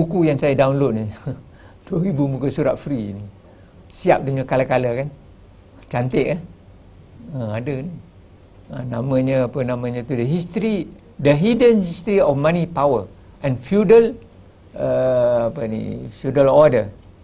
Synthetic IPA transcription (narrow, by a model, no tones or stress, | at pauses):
bukujaŋsajədawnlod̚ni | d̥uəɾibubukusuɾa̰t̪̚fɾini | siap̚duɲəkalakaləkan | t͡ʃant̪ɪʔah | əadəni | ənamə̃ɲəapənãmə̃ɲə̃t̪udəɦist̪ɾi | dəɦidənhist̪ɾiɔfmãnipawə | ʔɛ̃nfjudəl | əapənḭfjudəlɔdə